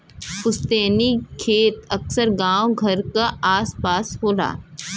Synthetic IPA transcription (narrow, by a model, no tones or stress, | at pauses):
ʊst̪eːnikʰeːt̪ɐksəɾɡãːoɡʱɐɾkaaːspaːsɦoːla̰ː